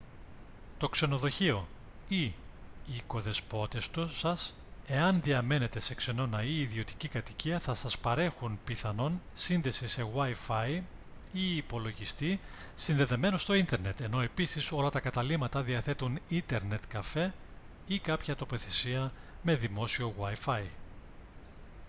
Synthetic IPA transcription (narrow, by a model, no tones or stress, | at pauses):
t̪o̞kse̞no̞ðo̞çio̞ | iː | ko̞ðe̞spo̞t̪e̞st̪usɐs | e̞ɐnðiɐme̞ne̞t̪e̞se̞kse̞no̞nɐiːðio̞t̪i̥cikɐt̪iciɐθɐsɐspɐɾe̞xunpiθɐno̞nsinðe̞sise̞ɣwɐjfɐj | iːpo̞lo̞ʝist̪i | sinðe̞ðe̞me̞nost̪o̞int̪e̞ɾne̞t̪e̞no̞e̞pisiso̞lɐt̪ɐkɐt̪ɐlimɐt̪ɐðiɐθe̞t̪unint̪e̞ɾne̞t̪kɐfe̞ | ikɐpçɐt̪o̞po̞θe̞siɐme̞ðimo̞sio̞ɣwɐjfɐi